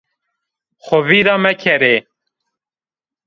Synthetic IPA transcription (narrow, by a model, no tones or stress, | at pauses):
xʷɔviːɾɑːmɛkʰɛɾeː